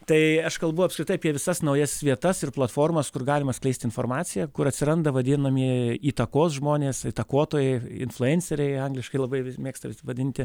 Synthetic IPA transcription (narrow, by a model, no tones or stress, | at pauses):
t̪ɐɪɐʃkɐlˠbʊɐpskɾʲɪt̪ɐɪɐpʲiɛʋʲɪsɐsnɐʊjɛsʋʲiɛt̪ɐsɪrplˠɐt̪foːrmɐskʊrɡɑːlʲɪmɐsklʲɛɪsʲt̪ʲɪnfoːɾmɑːsʲɪjɛːkʊɾɐt̪ʲsʲɪɾɐnd̪ɐʋɐd̪ʲɪnɐmʲiiːt̪ɐkoːsʒmoːnʲeːsɪt̪ɐkoːt̪oːjɛɪɪ̰nflˠʊɛnʲsʲɛɾʲɛɪɐŋɡlʲɪʃkɐɪlˠɐbɐɪʋʲɪmʲeːkst̪ɐʋʲɪsʲɪʋɐd̪ʲɪnʲt̪ʲɪ